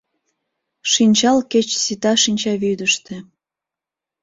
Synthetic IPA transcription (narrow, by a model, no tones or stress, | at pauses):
ʃinʲt͡ɕɑlket͡ɕsit̪ɑʃinʲt͡ɕɑβyd̪əʃt̪ĕ